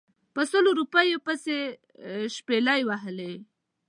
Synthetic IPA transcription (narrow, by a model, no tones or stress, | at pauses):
pəsəloɾupəjepəse | ʃpelajwaɦəle